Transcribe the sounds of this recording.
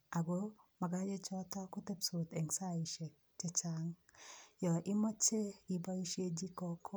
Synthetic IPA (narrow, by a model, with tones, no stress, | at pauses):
a˨ɡo˦ma˨ɡa˦d͡ʒe˦t͡ʃɔ˦tɔ˦ku˦te˦pso˨t̪e˨ŋsa˦i˨ʃɛ˨k̚ | t͡ʃɛ˦t͡ʃa˦ŋjɔ˨ʔi˦mɔ˦t͡ʃe˦i˨ba˦i˦ʃe˦d͡ʒi˦kɔ˦kʰɔ˦